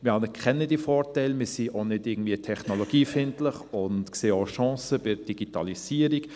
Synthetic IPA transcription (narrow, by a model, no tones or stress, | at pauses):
mɪhɑnkχɛnːədifɔːrtaɪlmɪsiʔonɪdɪːɡ̚ŋ̩dviətʰɛχnoloɡ̥iːfɪntləχʊntkseːoʃɑ̃ːsəb̥ɪɾd̥iɡ̥itɑlisiːəɾik